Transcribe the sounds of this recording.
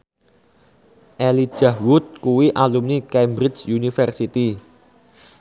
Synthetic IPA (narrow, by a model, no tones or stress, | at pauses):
ʔɛli̥ʒ̥ä̤hwʊt̪̚kuwiʔalumnikɛmbɾɪt͡ʃjunifɛrsit̪i